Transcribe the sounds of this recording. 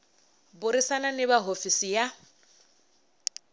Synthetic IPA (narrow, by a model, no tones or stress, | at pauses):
bʊɾisananɪbaɦofisija